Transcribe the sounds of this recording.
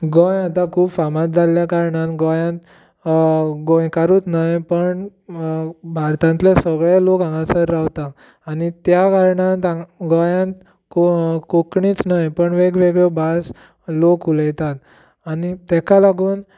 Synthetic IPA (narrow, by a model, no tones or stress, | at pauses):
ɡɔ̃jat̪akʰuːbfamãt̪̚d͡zʱalːjakaɾɳãt̪ɡɔjãt̪ | ɡɔ̃jkaɾuːt̪najpəɳ | bʱaɾt̪ãnt̪lesəɡɭelokãŋɡasəɾːaʋt̪aː | nit̪jakaɾɳãt̪aɡɔjãt̪ | kkokɳiːt͡snajpəɳʋeɡʋeɡɭebas | lokuləjt̪at̪ | anit̪ɛkalaɡuːn